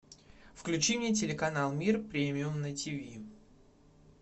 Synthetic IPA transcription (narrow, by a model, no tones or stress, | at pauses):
fklʲʉt͡ɕimnʲet̬ʲɪlʲɪkɐnalˠmʲirpɾʲemʲɪʊmnətʲivʲi